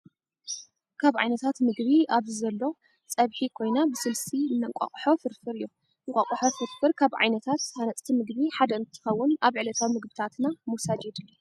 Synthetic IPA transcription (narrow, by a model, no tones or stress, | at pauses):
kʰaβʕa̰jnɐt̪ʰat̪mɨɡβiaβzɨzɐlːo̞ | t͡sʼɐβħikʰo̞jnabɨsɨlsinːɐŋkʷʼa̰χʼħo̞fɨɾfɨɾɨjːo | ɨŋkʼa̰kʼħofɨɾfɨɾkʰaβʕa̰jnɐt̪ʰat̪hanɐt͡sʼt̪ʰimɨɡβiħad̪ɐɨnt̪ʰːɨ̥xɐwːʊnaβʕɨlɐt̪ʰawimɨɡbɨt̪ʰat̪namusad͡ʒed̪ɨlːo